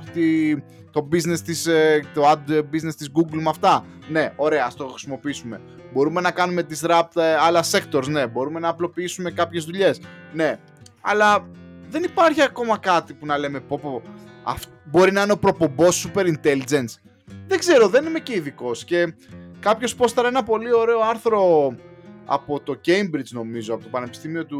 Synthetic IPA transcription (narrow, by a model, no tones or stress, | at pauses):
t̪i | t̪o̞bizne̞st̪ist̪oɐbizne̞st̪izɡuɡlmɐft̪ɐ | ne̞o̞ɾe̞ɐɐst̪o̞xɾisimo̞piisume̞ | bo̞ɾume̞nɐkɐnume̞t̪isɾɐp̚t̪ɐlɐse̞kt̪o̞ɾzne̞bo̞ɾume̞nɐːplo̞piisume̞kɐpçe̞zðuʎe̞sne̞ | ɐ̰lɐðe̞nipɐɾçiɐko̞mɐkɐt̪ipunɐle̞me̞po̞poɐ̰ft̪bo̞ɾinɐineopɾo̞po̞mbo̞sːupe̞ɾint̪e̞lid͡ze̞ns | ðeɡze̞ɾo̞ðe̞nime̞ceiðiko̞sce̞kɐpço̞spo̞st̪ɐɾɐe̞nɐpo̞lio̞ɾe̞o̞ɐɾθɾo̞ | ɐ̰po̞t̪o̞ɟejmbɾid͡zno̞mizoɐpo̞t̪o̞pɐne̞pi̥st̪imio̞t̪u